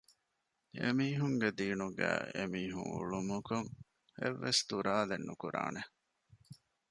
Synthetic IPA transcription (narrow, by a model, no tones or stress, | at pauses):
emiːɦuŋɡed̪iːnuɡæːemiːɦṵŋṵɭumukoŋ | eʋːest̪uɾaːlenːukuɾa̰ːne